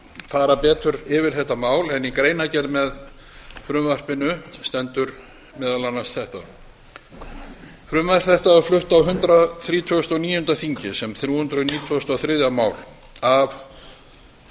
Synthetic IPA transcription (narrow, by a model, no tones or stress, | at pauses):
faːɾapɛːt̪ʏɾɪvɪɾ̥θɛht̪amaːwlɛnikɾeːjnacɛɾmɛð | fɾʏːmvar̥pɪnʏst̪ɛnt̪ʏɾ | mɛːðalanːasθɛht̪a̰ | fɾʏːmvar̥θɛht̪aðaɾflʏht̪awɦʏnt̪ɾaθɾiːt̪ʰœst̪ɔniːjʏhʏnt̪ɾaθiɲcɪsɛmθɾjuːhʏnt̪ɾʏniːt̪ʰːst̪ɔθɾɪðjamaːwl | av